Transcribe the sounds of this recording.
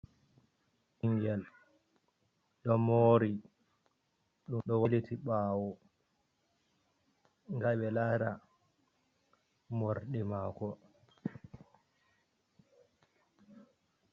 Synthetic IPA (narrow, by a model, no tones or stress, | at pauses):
ʔiŋɡɛl | ɗɔmoɾi | ɗumɗɔwelitiɓaːwɔ | ŋɡaɓɛlaɾa | mɔɾɗɛmaːkɔ